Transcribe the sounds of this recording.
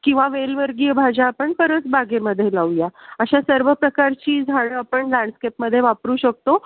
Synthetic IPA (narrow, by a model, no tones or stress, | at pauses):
kĩw̃ʋaʋelʋəɾɡiəbʱad͡ʑaːpəɳpəɾət͡sbʱaɡeməd̪ʱːjelawjaəɕasəɾʋəpɾəkaɾt͡ɕiːd͡zʱaɭəapəɳlãɳɖskepməd̪ʱːjeʋapɾuːɕək̚t̪o